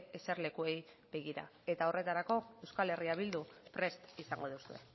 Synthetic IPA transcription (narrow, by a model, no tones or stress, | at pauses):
ese̞ɾle̞kue̞j | be̞ɣ̞iɾa̰e̞t̪ao̞re̞t̪aɾako̞e̞wskale̞riaβ̞ild̪upɾe̞st̪isaŋɡo̞ð̞usue̞̰